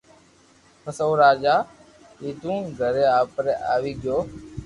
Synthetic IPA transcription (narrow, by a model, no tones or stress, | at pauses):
pʰəsoːɾaːd͡ʒaː | iːt̪ũːɡʱəɾeːaːpɾeːʔa̰ːʋiːɡɪjoː